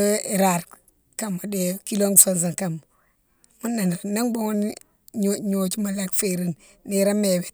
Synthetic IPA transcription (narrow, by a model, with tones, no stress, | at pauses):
i˨ɾa˨ɾ | ka˦mːo˨de˦˨ki˦lo˦ŋɡso˦nz̬a˨ŋka˨mo˨ | mu˦nːa˨n˨ɾna˦ŋbo˦ŋo˦n˦˨ | ɲo˨t͡ʃi˦ma˨la˦kfe˦ɾi˦˨n | ni˨ɾa˦me˨be˨